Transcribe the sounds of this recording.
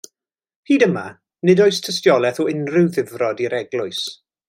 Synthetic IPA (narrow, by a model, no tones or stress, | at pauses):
hʰiːdəma | nɪdɔɨstʰəstjɔlˠɛθɔɪnrɪwðɪvrɔdiɾɛɡlˠʊɨs